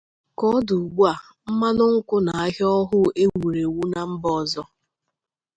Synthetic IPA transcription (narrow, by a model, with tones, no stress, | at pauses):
kɔ˦du˨u˨ɡ͡bu˦a˨ | m̩˦ma˦nʊ˦ŋ̩˦kʊ˦na˨a˦ɦjɔ˦ɦʊ˦e˦wu˨ɾe˨wu˦na˨m̩˦bɔ˦˨zɔ˦